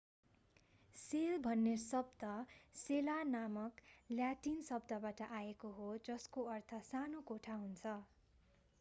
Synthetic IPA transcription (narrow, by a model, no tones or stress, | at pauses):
selbʱʌnːesʌb̚d̪ʌselanamʌkljaʈinsʌbd̪ʌbaʈʌʔaekoɦod͡zʌskoʌrt̪ʰʌsanokoʈʰaɦunt͡sʰʌ